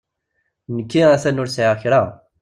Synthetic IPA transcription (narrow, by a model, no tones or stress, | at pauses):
nəkːiæθænʊɾsʕaʁçɾa